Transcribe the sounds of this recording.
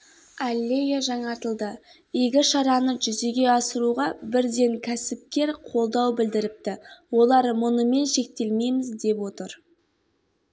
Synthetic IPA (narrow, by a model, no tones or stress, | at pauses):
alʲːejaʒɑɴɑɾt̪əlˠd̪ə | ijɡʲɪʃɑɾɑnəʒʏze̞ɡʲe̞ɑsəɾuʁɑbɪɾd̪e̞ŋkʲʰæsɪp̚kʲe̞ɾqʰo̞lˠd̪ɑwbɪld̪ɪɾɪp̚t̪ɪwo̞lˠɑɾmʊnəme̞nʃe̞k̚t̪e̞lme̞jmɪzd̪e̞pwo̞t̪əɾ